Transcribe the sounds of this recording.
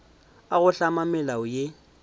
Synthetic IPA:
aɣʊɬamamɛlaʊje

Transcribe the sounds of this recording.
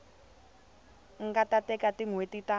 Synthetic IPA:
ŋɡatatɛkatiŋwetita

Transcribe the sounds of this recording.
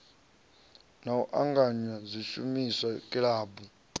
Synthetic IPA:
nawuʔaŋɡaɲwazʷiʃumisakʼiɺaːbu

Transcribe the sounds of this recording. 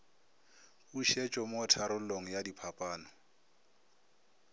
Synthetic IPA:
uʃet͡ʃʼɔmɔtʰaɾʊloŋ̩jadipʰapʼaːnɔ

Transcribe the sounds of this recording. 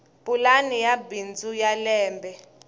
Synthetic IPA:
bʼulanijabind͡zujalɛːmbʱɛ

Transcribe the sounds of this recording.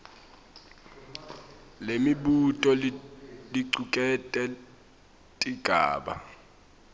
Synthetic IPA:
lemiɓutʼɔ | liǀukʼɛtʼɛ | tʼiɡ̥ʱa̰ːɓa̰

